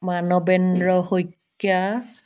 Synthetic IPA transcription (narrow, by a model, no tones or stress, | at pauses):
manɔbɛnɹɔhojkː | ja